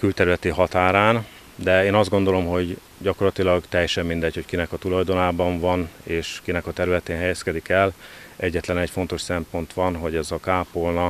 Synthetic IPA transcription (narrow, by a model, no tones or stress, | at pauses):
kylt̪ɛɾylɛt̪iɦɒt̪aːɾaːn | d̪ɛeːnɒzd̪ɡo̞nd̪o̞lo̞mɦo̞ɟ | ɟɒko̞rlɒt̪ilɒɡt̪ɛjːɛʃɛmːind̪ɛcho̞ckinɛkɒt̪ulɒjd̪o̞naːbɒɱvɒneːʃkinɛkɒt̪ɛɾylɛt̪eːnɦɛjɛskɛd̪ikɛlʔɛɟːɛt̪lɛnɛcfo̞nt̪o̞ʃsɛmpo̞nt̪ʋɒnɦo̞ɟɛzɒkaːpolnɒ